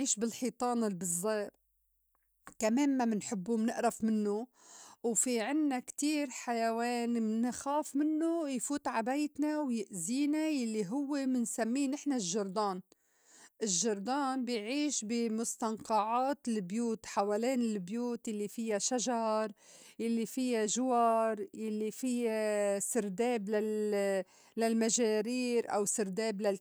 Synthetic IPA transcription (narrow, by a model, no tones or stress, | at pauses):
ʕiːʃbɪlħiːt̪ˤɑːnɪlbɪzˤːeː | kameːmːamɪnħɪbːumnɪʔɾafmɪnːʊ | wfiʕɪnːakt̪iːɾħajaweːnmnɪxaːfmɪnːʊjfuːt̪ʕabajt̪nawjɪʔziːnajalːiɦʊwːemɪnsamːiːnɪħnaʒːɑɾˤd̪ɑːn | ʔɪʒːɑɾˤd̪ˤɑːnbɪjʕiːʃbɪmʊst̪ɑnqɑʕaːt̪ɪlbjuːt̪ħawaːleːnɪlbjuːt̪jalːifɪjːaʃaʒɑɾˤ | jalːifɪjːaʒʊwɑɾˤjalːifɪjːasɪɾd̪eːblal | lalmaʒaːɾiːɾʔa̰wsɪɾd̪eːbla